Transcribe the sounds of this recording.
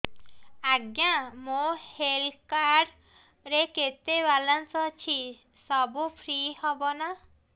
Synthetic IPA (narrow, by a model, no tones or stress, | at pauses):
aɡjãmohelkaɾ | ɾeket̪ebalɔnsɔt͡ʃʰi | sɔbupʰɾihɔbɔna